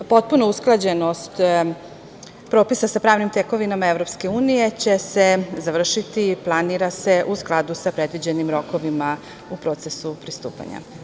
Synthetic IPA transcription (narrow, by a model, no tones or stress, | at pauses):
po̞t̪̚punousklˠad͡ʑe̞nost̪ | pɾo̞ːpisasapɾaːʋnimt̪eko̞ʋinamaevɾo̞pske̞uːnije̞t͡ɕe̞se̞zaʋr̩ʃit̪iplˠaniɾase̞ʔusklˠad̪usapɾe̞d̪ʋid͡ʑe̞nimɾo̞ko̞ʋima | upɾo̞t̪se̞supɾist̪ṵːpa̰ɲa̰